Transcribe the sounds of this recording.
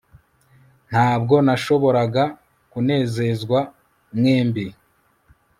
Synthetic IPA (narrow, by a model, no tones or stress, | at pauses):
n̥haːbɡo̞naʃo̞βo̞ɾaɡa | kune̞ːze̞zɡwa | mŋeːmbe